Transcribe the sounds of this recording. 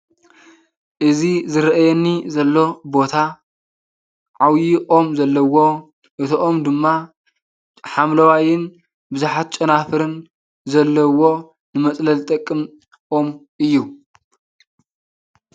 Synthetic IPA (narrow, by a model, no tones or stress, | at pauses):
ʔɨzizɨɾɐʔajɛnːizɐlːo̞bo̞t̪ʰa | ʕawjiʔo̞mzɐlːɐwo̞ | ʔɨt̪ʰoʔomd̪ɨmːa | ħamlɐwajɪn | bɨzuħat̪̚t͡ʃʼɐnafɨɾɨn | zɐlːɐwo | nɨmɐt͡sʼlɐlt̪ʼɐkʼːɨm | ʔo̞mʔɨjːu